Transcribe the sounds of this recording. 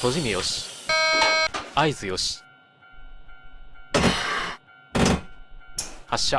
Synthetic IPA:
t̪oʑimʲijoɕi̥ | aizɨjoɕi̥ | haɕa

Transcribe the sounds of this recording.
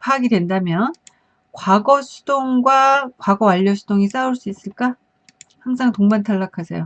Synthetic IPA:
pʰaɡidwe̞ndamjʌn | kwaɡʌsʰud̥oŋɡwakwaɡʌaʎːʌsʰud̥oŋis͈auɭs͈uis͈ɯɭk͈a | haŋsʰaŋtoŋbantʰaɭːakʰasʰḛjo

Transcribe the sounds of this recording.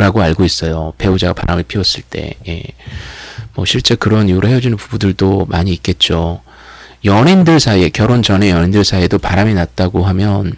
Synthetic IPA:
ɾaɡoaɭɡois͈ʌjope̞ud͡ʑaɡapa̰ɾamiɭpʰiʌs͈ɯɭt͈e̞̰je̞̰ | mwʌɕʰiɭt͡ɕ͈e̞kɯɾʌniuɾɯhe̞jʌd͡ʑunɯnpubudɯɭdomaɲiːk͈e̞t̚t͡ɕ͈o | jʌnindɯɭsʰaie̞kjʌɾont͡ɕʌnejʌɲindɯɭsʰaiedopaɾaminat̚t͈aɡoɦamjʌn

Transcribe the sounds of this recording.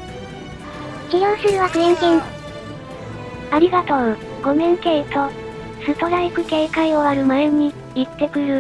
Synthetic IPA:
kʲijõsɨɾɯ̟βakɯ̟ẽŋkẽn | aɾʲiɡat̪o̞ɯ | ɡo̞mẽ̞ŋke̞ːt̪o̞ | sɨt̪oɾaikɯ̟ke̞ːkaio̞aɾɯ̟maeɲ̟i | it̪ːe̞kɯ̟ɾɯ̟

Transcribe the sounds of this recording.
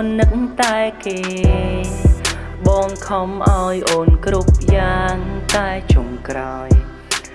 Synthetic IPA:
nːɨk̚ŋt̪aɛkeː | ɓɑːŋkʰɑmʔaɔjʔoːnkrup̚jaːŋt̪aɛt͡ɕoŋkraɔj

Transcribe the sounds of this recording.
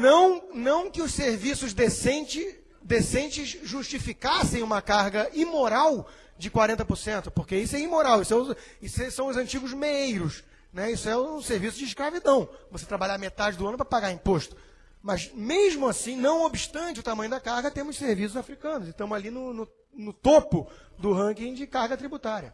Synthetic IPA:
nɐ̃w̃nɐ̃w̃kɪʊsseɾvisʊzd̪esẽnt͡ʃɪ | d̪esẽnt͡ʃɪzʒuʃt͡ʃifikasẽj̃ũmɐkaɾɡɐimoɾaw | d͡ʒɪkwaɾẽnt̪ɐpoɾsẽnt̪ʊpoɾkeisʊɛimoɾawisʊɛisɛsɐ̃w̃ʊzɐ̃nt͡ʃiɡʊzmeejɾʊs | nɛisʊɛʊ̃seɾvisʊd͡ʒɪiʃkɾavid̪ɐ̃w̃vose̥t̪ɾabaʎamet̪ad͡ʒɪd̪ʊɐ̃nʊpɾɐpaɡaɾĩpoʃt̪ʊ̥ | mɐzmeʒmʊasĩnɐ̃w̃obiʃt̪ɐ̃nt͡ʃɪʊt̪amɐ̃ɲ̃ʊd̪akahɡɐt̪ẽmʊʃseɾvis̬ʊzafɾikɐ̃nʊzɪʃt̪ɐ̃mʊzalinʊnʊ | nʊt̪opʊd̪ʊɦɐ̃kĩd͡ʒɪkahɡɐt̪ɾibut̪aɾiɐ

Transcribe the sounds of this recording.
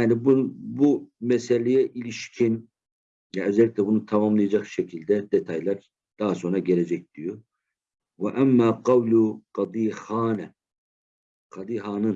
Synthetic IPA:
jaːnibunbumɛselʲejɛʔilʲiʃcʰin | jaø̞zɛlʲːiclʲɛbunut̪ʰamamlˠɯjad͡ʒakʃecʰilʲd̪ɛd̪et̪ʰajlˠaɾ | d̪̥aɦaso̞nɾaɟele̞d͡ʒɛc̚d̪̥ijo | vɛʔæmːaːqɑwlʲuqɑd̪iːhaːn | qɑd̪iɦaːnɯn

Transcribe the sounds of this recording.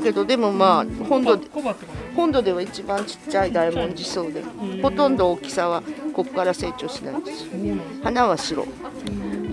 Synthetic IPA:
ke̞d̪o̞d̪e̞mo̞maːhõnd̪o | hõ̞nd̪o̞d̪e̞β̞ait͡ɕibãɲ̟t͡ɕi̥tt͡ɕːaid̪aimõ̞ɲ̟d͡ʑiso̞ːd̪ḛho̞t̪õ̞nd̪o̞ːkʲi̥saβ̞ako̞kkːaɾase̞ːt͡ɕo̞ːɕina̰ind̪esi̥o | hanaβaɕiɾo̞̰

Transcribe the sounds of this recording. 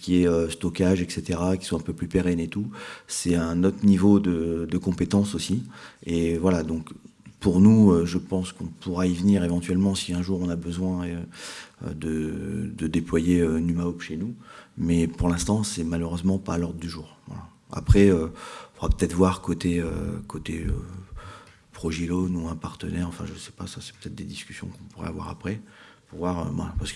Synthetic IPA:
kʲiɛøst̪ɔkʲaʒɛkset̪eʁakʲi̥swãɛ̃pøplypeʁɛnet̪usɛtɛ̃not̪χnivod̪əd̪əkɔ̃pet̪ɑ̃sosievwalad̪ɔ̃kpuʁnuøʒəpɑ̃skɔ̃pʰuʁaivniʁevɑ̃t̪ɥɛlmɑ̃siɛ̃ʒuʁɔ̃nabəzwɛ̃øø̰d̪əd̪əd̪eplwajeønymaɔpʃenumɛpuʁlɛ̃st̪ɑ̃sɛmaløʁøzmɑ̃palɔʁd̪ʁəd̪yʒuːʁvwa̰la̰ | a̰pχɛøɔ̃foʁapə̥t̪ɛt̪χvwaʁkot̪eø̰kʰot̪eø̰ | pχɔʒilonuɛ̃paʁt̪ənɛʁɑ̃fɛ̰̃ʒəsɛ̥pasasɛ̥pø̥ət̪ɛt̪χd̪ed̪iskʲy̥sjɔ̃kɔ̃puʁɛ̰a̰vwa̰ʁapχɛpuʁvwaʁø̰vwa̰lapaʁsəkə

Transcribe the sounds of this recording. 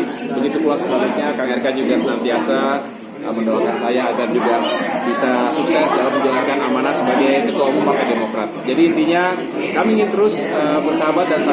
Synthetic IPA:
bəɡit̪ukulaksəbalik̚ɲakaŋɛrkad͡ʒuɡasənant̪iasa | a̰məndoakansajaːɡard͡ʒuɡabisasuksɛsdalamːəɲd͡ʒalaŋkanamanasəbaɡajkət̪uumɔmparkademokɾat̪̚d͡ʒadiːnt̪iɲa | kamiːŋɪnt̪əɾʊs | əbərsaɦabat̪̚dansa

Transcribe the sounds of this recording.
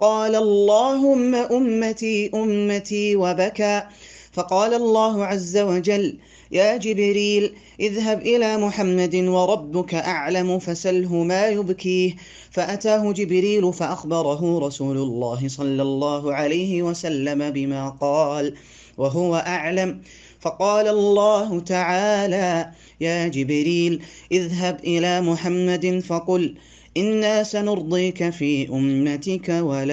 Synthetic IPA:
qɑːlaʔlˤːɑːɦʊmːaʔʊmːat̪iːʔʊmːat̪iːwabakaː | fɑqɑːlalˤːɑːɦʊʕazːawad͡ʒalː | jaːd͡ʒɪbɾiːl | ʔɪðɦabʔɪlaːmʊħamːad̪wɑɾˤɑbːʊkaʔaʕlamʊfasalɦʊmaːjʊbkiːh | faʔat̪aːɦʊd͡ʒɪbɾiːlʊfaʔaxbɑɾˤɑɦʊɾˤɑsuːlʊlˤːɑːɦɪsˤɑlːɑlːɑːɦʊʕalajhɪwasalːamabɪmaːqɑːl | waɦʊwaʔaʕlam | fɑqɑːlalˤːɑːɦʊt̪aʕaːlaː | jaːd͡ʒɪbɾiːlʔɪðɦabʔɪlaːmʊħamːad̪ɪnfɑqʊl | ʔɪnːaːsanʊɾd̪ˤiːkafiːʔʊmːat̪ɪkawala

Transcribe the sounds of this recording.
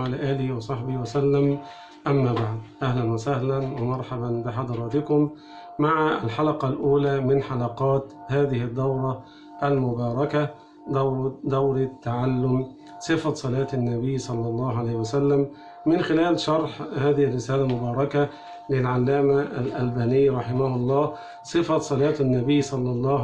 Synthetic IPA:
ʕalaːʔaːlɪhiwɑsˤɑħbɪhwæsalːæm | ʔamːaːbaʕd̪ʔæhlænwasahlænwɪmɑɾˤħabanbɪħɑd̪ɑɾˤɑːt̪ɪkʊmː | aʕaalħɑlɑqɑlʔuːlæːmɪnħalɑqɑːt̪haːðɪhɪd̪ːɑwɾˤɑ | ʔalmʊbɑːɾˤɑka | d̪d̪awɾˤt̪ːaʕalːʊm | sˤɨfɑsˤɑlɑːt̪anːabɪjːsˤɑlːɑlˤːɑːhʕalaːjhɪwæsalːæmː | ɪnxɪlæːlʃɑɾˤħhaːðɪhɪrːɪsæːlalmʊbɑːɾˤɑka | lɪlʕalːaːmaalʔælbaːnɪjːɾˤɑħɪmahʊlˤːɑː | sˤɨfɑsˤɑlɑːt̪nːabɪjːsˤɑlːɑlˤːɑː

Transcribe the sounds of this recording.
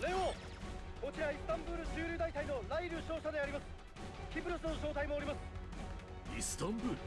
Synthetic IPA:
ɾeo | ko̞t͡ɕiɾaisɨ̥t̪ãmbɯːɾɯ̟ɕɨːɾʲɯːd̪ait̪aino̞naiɾɯɕo̞ːɕad̪e̞aɾʲimasɨ̥ | kʲibɯ̟ɾɯsɨnoɕo̞ːt̪aimo̞ːɾʲimasɨ̥ | isɨ̥t̪ãmbɯːɾɯ

